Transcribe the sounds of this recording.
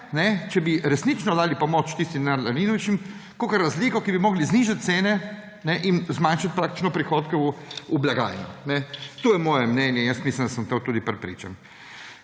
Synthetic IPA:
nɛt͡ʃɛbiɾɛsnit͡ʃnɔd̪aːlipɔmot͡ʃt̪ist̪id̪naɾlaɾinɔʋit͡ʃimkokɐɾːazliːkɔkibimɔːɡlizniːʒat̪̚t̪seːnɛ | nɛʔinzmanʃat̪̚pɾaːk̚t̪i̥t͡ʃnɔpɾixoːt̪kɛuublaɡa̰ːjnɔnɛt̪ojɛmɔːjɛmnɛnjɛinjəst̪mislimd̪asəmt̪ot̪uːd̪ipɾɛpɾḭːt͡ʃa̰n

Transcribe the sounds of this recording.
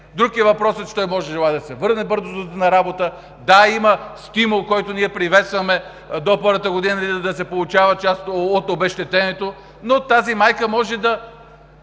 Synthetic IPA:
d̪ɾukiɛvɐpɾɔsɛt͡ʃɛ̥t̪ɔjmɔʒɛʒɛlˠaɛd̪ɐsɛvɤɾnɛbɤɾzozɐnɐɾabot̪ə | d̪aimɐst̪imulˠkɔjt̪oniɛpɾivɛt̪st̪vɐmɛ | d̪opɤɾvət̪əɡod̪inəid̪ɐs̬ɛpolˠʊt͡ʃavɐt͡ʃast̪ːt̪obɛʃt̪ɛt̪ɛnɛt̪o | not̪azimajkəmɔʒɛd̪ɐ

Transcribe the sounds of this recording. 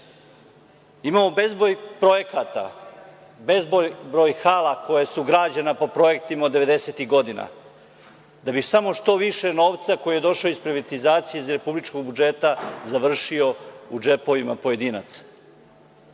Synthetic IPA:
imaːmo̞bezbojpɾo̞je̞kat̪a̰ | be̞zbobɾojxaːlˠako̞jesuɡɾaːd͡ʑanapo̞pɾo̞je̞k̚t̪imaod̪e̞ʋe̞d̪e̞set̪iɣɡo̞d̪ina̰ | d̪abisamo̞ʃt̪o̞ʋiʃe̞no̞ːʋt̪sako̞jujed̪o̞ʃaoispɾiʋat̪izaːt̪sijezɾe̞publit͡ʃko̞ɡ̚bud͡ʒe̞t̪azaʋr̩ʃio̞ud͡ʒe̞po̞ʋima̰poje̞d̪iːna̰t̪s

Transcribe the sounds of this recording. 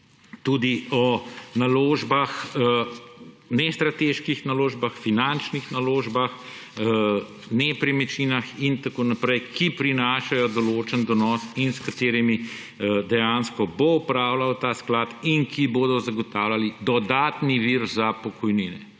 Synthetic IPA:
t̪uːd̪iɔnaloːʒbax | nɛst̪ɾat̪eʃkixnaloːʒbaxfinant͡ʃnixnaloːʒbax | nɛpɾimɛt͡ʃiːnaxint̪akoːnapɾɛjkʰipɾinaːʃajɔd̪ɔloːt͡ʃənd̪ɔnɔsinskat̪eːɾimi | d̪ɛjanskɔboupɾaːwlawt̪aːsklaːt̪inkiboːd̪ɔzaɡɔt̪aːwlalid̪ɔd̪aːt̪niʋiːɾzapɔkʰɔjniːnɛ

